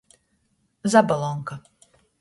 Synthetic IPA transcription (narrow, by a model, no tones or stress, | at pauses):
zabalˠɔŋka